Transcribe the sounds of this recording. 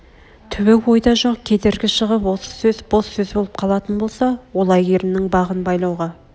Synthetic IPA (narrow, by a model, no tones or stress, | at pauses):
t̪ʰʏβɪkwo̞jd̪ɑʒo̞q̚kʲʰe̞d̪e̞ɾɡʲɪʃəʁəpwo̞sə̥sɵzbolˠsɵzbo̞lˠəp̚qʰɑlˠɑt̪ənbo̞lˠsɑwo̞lˠɑjɡeɾɪnɪŋbɑʁənbɑjlˠɑwʁɑ